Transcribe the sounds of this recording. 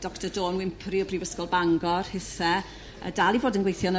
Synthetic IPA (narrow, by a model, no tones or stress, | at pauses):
d̥ɔktɔdoːnwɪmpʰriɔbrivəskɔlˠbaŋɡɔrhɪθɛ | ə̰dalˠivoːdənɡwejθjɔn